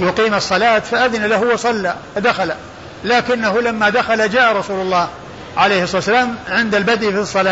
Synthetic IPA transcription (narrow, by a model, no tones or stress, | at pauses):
jʊqiːmɑsˤːɑlaːt̪faʔaðɪnalaɦʊwɑsˤɑlːa | d̪axala | laːkɪnːaɦʊlamːad̪axalad͡ʒaːʔaɾˤɑsuːlʊlˤːɑːh | ʕalejhsˤɑsːalaːmʕɪnd̪albad̪ʔifisˤːɑlaː